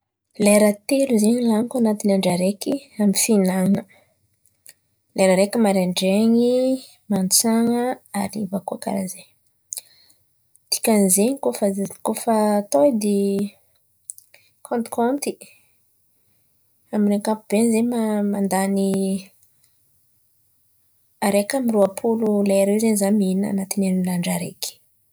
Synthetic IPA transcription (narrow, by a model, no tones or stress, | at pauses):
leɾət̪eluzeɲilanikuanat̪inaɳɖ͡ʐaɾekiamifinanə | leɾəɾekimaɾaɳɖ͡ʐeɲi | mant͡saŋəaɾivakuaka̰ɾaze | t̪i̥kanzeɲikofəkofəːt̪oid̪e | kʰɔ̃nt̪i̥kɔnt̪i | aminakapub̥enzemamand̪ani | aɾekəmiɾuapʰululajaɾewzenzamina̰nat̪inenlaɳɖ͡ʐaɾeki̥